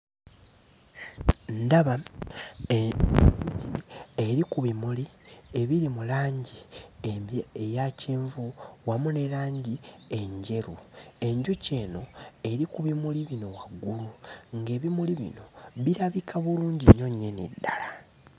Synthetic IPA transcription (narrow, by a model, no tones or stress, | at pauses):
ndaβa | eɾikuβimuli | e̞βiɾimulaːɲɟi | ejaciːɱvuwamune̞ɾaːɲɟie̞ɲɟe̞ɾue̞ɲɟuce̞ːno̞e̞ɾikuβimuliβino̞waɡːuluŋɡe̞ːβimuliβḭno̞βiɾaβikʰaβuluːɲɟiɲːo̞ɲːenidːala